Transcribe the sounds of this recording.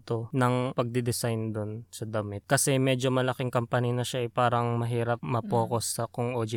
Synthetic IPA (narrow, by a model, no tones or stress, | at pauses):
t̪o̞nɐŋpɐɡ̚d̪ɪd̪ɪsajnd̪onsɐd̪ɐmɪt̪̚kɐsɛmɛːd͡ʒo̞mɐlɐkɪŋkɐmpɐninɐʃaʔɐpaːɾɐŋmɐɦiːɾɐp̚mɐpoːko̞sːɐkoŋʔod͡ʒɪ